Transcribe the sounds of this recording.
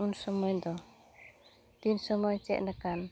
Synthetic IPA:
unsɔmɔjd̪ɔ | t̪insɔmɔjt͡ʃɛ̰ʔ̪̚nakan

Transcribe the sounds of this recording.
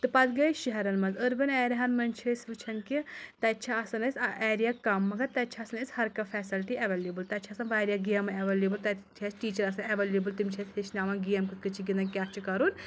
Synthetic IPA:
t̪ɨpɐt̪ɡɐjʃiɦɐɾɐnmɐnzəɾbɐnɛːɾɐɦɐnmɐnt͡ʃʰesʲʋɨt͡ʃʰɐnkit̪ɐt͡ʃʰɐɐsɐnɐsʲʔeːɾijakɐmːɐɡɐt̪t̪ɐt͡ʃʰɐɐsɐnɐsʲhɐɾkɐfʰɛːsilʈiɐʋeːljeːbɨlt̪ɐt͡ʃʰɐɐsɐnʋaːɾjaɡijɐmɐɐʋeleːbɨlt̪ɐt͡ʃʰɐsʈiːt͡ʃɐɾɐsɐnɐʋeːljebɨlt̪imʲt͡ʃʰɐsʲheʃnaːʋɐnɡijɐmkɨt̪kɨt͡ʃʰiɡind̪ɐnkʲaːt͡ʃʰikɐɾun

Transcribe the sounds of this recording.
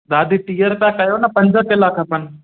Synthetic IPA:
d̪aːd̪ʱiʈiːjəɾt̪ãkɐjonɐpɐ̃ɲd͡ʑʱəkɪlaːkʰəpən̆

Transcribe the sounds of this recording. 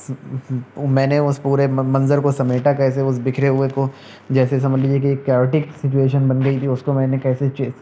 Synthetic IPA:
mɛ̃ːneʊspuːɾemɐ̃nzəɾkosɐmeːʈakɛːs̬eʊsbɪkʰɾeɦʊeko | d͡ʒɛːsesɐməd͡ʒliːd͡ʒiek̬iːkːɛːoːʈɪksɪt͡ʃueːʃənbɐnɡɐit̪ʰiʊskomɛ̃ːnekɛːset͡ʃeː

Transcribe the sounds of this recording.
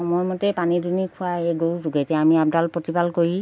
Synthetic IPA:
ɔmɔjmɔtɛpanidunikʰʊaeɡowzuɡɛtɛamiab̚dalpɹotibalkoɹi

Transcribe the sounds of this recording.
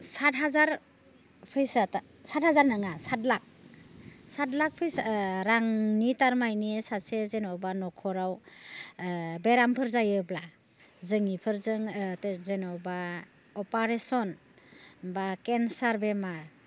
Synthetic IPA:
satɦazaɾ | pʰɯjsata | sat̚hazaɾnaŋasatlak̚ | satlak̚pʰɯjsɾaŋnitaɾmajniesasezenɔbanɔkʰɔɾaw | beɾampʰɯɾzajɯbla | zɯŋipʰɯɾzɯŋtzenɔba | ɔpaɾesɔn | bakensaɾbemaɾ

